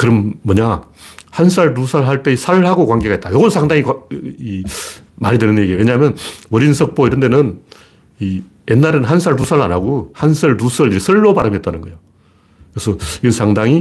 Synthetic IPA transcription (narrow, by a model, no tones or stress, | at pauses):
kɯɾʌmːʌɲahans̬ʰaɭtusʰaɭɦaɭt͈esʰaɭhaɡokwaŋɡeɡait͈̚ajoɡʌnsʰaŋdaŋikai | maɾidwenɯnje̞ɡieweɲaɦmjʌnwʌɾinsʰʌk̚p͈oiɾʌnde̞nɯn | i | jenːaɾenɦansʰaɭt̬usʰaɾɯɭa̰naɡohansʰʌɭtusʰʌɭiɾesʰʌɭːopaɾɯmiʌt͈anɯnɡʌjo | kɯɾesʰʌiʌnsʰaŋdaŋi